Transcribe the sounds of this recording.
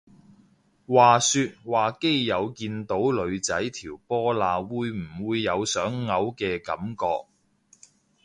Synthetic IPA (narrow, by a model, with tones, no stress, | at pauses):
waː˨˩syː˧t̚waː˨˩ke˥jːɐ˨˧wkiː˧nt̪o˨˥wlɵ˨˧ɥt͡sɐ˨˥jt̪ʰiː˨˩wpɔː˥laː˧wuː˨˧jm̩˨˩wuː˨˧jːɐ˨˧wsœː˨˥ŋːɐ˨˥wkɛː˧kɐ̰˨˥mkɔː˧k̚